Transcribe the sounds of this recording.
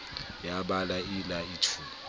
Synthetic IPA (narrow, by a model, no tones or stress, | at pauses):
jaɓalailaitʰuː